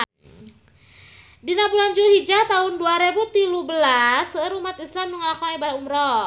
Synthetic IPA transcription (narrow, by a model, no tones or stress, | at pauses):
dinabuland͡ʒuhid͡ʒat̪aɦunduaɾebut̪ilubəlasəɾumat̪islamnuŋalakɔnibaɾaumɾɔ